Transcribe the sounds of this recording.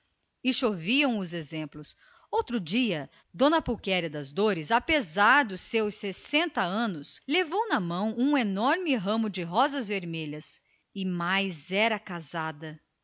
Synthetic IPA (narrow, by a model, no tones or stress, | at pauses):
ɪʃoviɐ̃w̃ʊzezẽmplʊs | owt̪ɾʊd͡ʒiɐ | d̪õnɐpukɛɾjɐd̪ɐzd̪oɾɪzapezaɾd̪ʊsːewsesẽnt̪ɐɐ̃nʊslevownɐmɐ̃w̃ũenɔɾmɪɦɐ̃mʊd͡ʒɪɦɔzɐzveɾmeʎɐs | ɪmajzɛɾɐkazad̪ɐ